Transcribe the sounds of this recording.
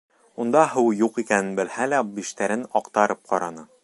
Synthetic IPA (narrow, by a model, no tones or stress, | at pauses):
und̪ɑhɤwjuqikænɘnbɘ̆lhælæbiʃt̪æɾɘnɒqt̪ɑɾɤp̚qɒɾɑnɤ